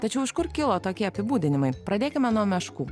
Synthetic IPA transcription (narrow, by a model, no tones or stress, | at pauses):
t̪ɐt͡ʃʲɛʊɪʃkʊɾkʲɪlˠoːt̪oːkʲiɛɐpʲɪbuːd̪ʲɪnʲɪmɐɪpɾɐd̪ʲeːkʲɪmʲɛnuɔmʲɛʃkuː